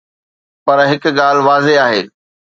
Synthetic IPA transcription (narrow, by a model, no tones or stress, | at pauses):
pɐɾɦɪkɠaːlʋaːzeaːɦḛː